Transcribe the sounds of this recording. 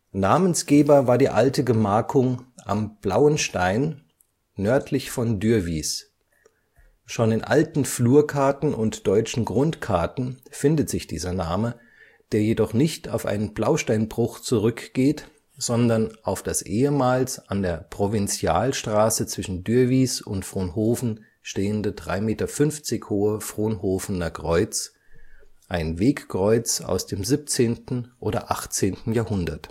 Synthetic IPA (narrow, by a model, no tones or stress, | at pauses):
naːmənsɡ̥eːbɐvaːɐdiːʔaltəɡəmaːkʰʊŋʔa̰mb̥laʊənʃtaɪnː | œɐtʰlɪçfɔndyːɐviːs | ʃoːnɪnʔa̰ltn̩fluːɐkʰaɐtn̩ʔʊntd̥ɔʏt͡ʃn̩ɡʁʊntkʰaɐtn̩fɪndətz̥ɪçd̥ḭːzɐnaːmə | d̥eːɐjedɔχnɪçtʰa̰ʊfʔa̰ɪnənblaʊʃtaɪnbʁʊxt͡suʁʏkɡ̥eːt | z̥ɔndɐnʔaʊfd̥asʔeːəmaːlsʔandeːɐpʁ̥ovɪnt͡sjaːlʃtʁ̥aːsət͡sv̥ɪʃn̩dyːɐviːsʊntfʁ̥oːnɦoːfn̩ | ʃteːəndədʁa̰ɪmeːtɐfʏnft͡sɪçhoːəfʁ̥oːnhoːfənɐkʁ̥ɔʏt͡s | ʔaɪnveːkkʁ̥ɔʏt͡sa̰ʊsd̥eːmziːp̚t͡seːntn̩ʔoːɾɐ̰ʔaχt͡seːntn̩jaːɐhʊndɐt